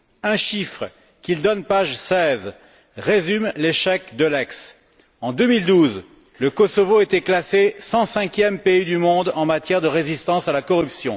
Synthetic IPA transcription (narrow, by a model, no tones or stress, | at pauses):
ɛ̃ʃifχə | kʲild̪ɔnpaʒsɛz | ʁezymleʃɛkd̪əlɛks | ɑ̃d̪ømild̪uz | ləkɔsɔvoet̪ɛklasesɑ̃sɛ̃kʲjɛmpeid̪ymɔ̃d̪ɑ̃mat̪jɛʁd̪əʁezist̪ɑ̃salakɔʁypsjɔ̃